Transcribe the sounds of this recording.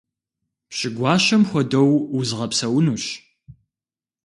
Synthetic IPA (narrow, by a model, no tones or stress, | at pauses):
pɕɪɡʷɑːʃɐmxʷɔdɐwʊzʁɐpsɐwnuːɕ